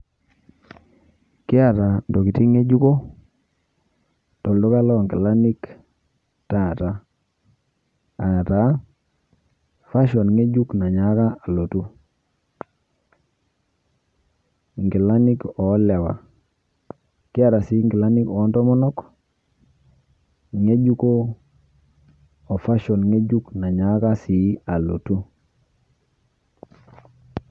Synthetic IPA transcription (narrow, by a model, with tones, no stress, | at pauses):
kɪ˦a˨ta˨ndɔ˨ki˨ti˦ŋe˦d͡ʒu˦ko˦ | tɔ˨ldo˦ka˦lɔ˦ŋɡɪ˨la˦ni˦k | ta˨ta˨˦ | a˨ta˨˦ | fa˦ʃɔ˨nŋe˦d͡ʒu˦kna˨ɲa˨˦ka˦a˨lo˨tu˦ | ŋɡi˨la˦ni˦ko˨˦le˨wa̰˨ | ki˦a˦˨ɾa˨si˨˦ŋɡi˨la˦ni˦kɔ˨˦nto˦mɔ˦nɔ˦k | ŋe˦d͡ʒu˦ko˦ | o˨fa˦ʃo˨nŋe˦ɟu˦kna˨ɲa˨˦ka˦si˨˦a˨lo̰˨tu˦